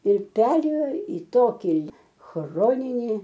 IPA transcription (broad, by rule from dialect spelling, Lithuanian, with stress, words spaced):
ɪr ˈpʲæːrʲeːjoː iː ˈtoːkʲɪ ˈxroːnʲɪnʲiː